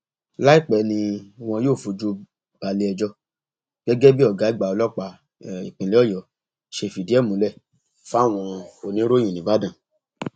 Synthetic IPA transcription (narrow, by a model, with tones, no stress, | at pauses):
la˦i˦˨k͡pɛ˨nĩ˧w̃ɔ̃˧joː˦˨fu˧d͡ʒo˧ | b̥a˧le˧ɛ˧d͡ʒɔ˧ | ɡ̥ɛ˦ɡɛ˦bi˦ɔ˦˨ɡa˨˦i˦ɡ͡ba˧ɔ˧lɔ˦k͡pa˧ | ḭ˨k͡pĩ˨li˨˦ɔ˦˨jɔ˨ | ʃe˧˨fi˨di˦ɛ˦˨mũ˨˦lɛ˦˨ | fa˦˨w̃ɔ̃˧o˨nĩ˨˦ɾo˦j̃ĩ˨nĩ˨˦ba˦dã˦˨